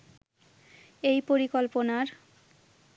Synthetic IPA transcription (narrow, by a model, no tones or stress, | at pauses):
ejpoɾikolponaɾ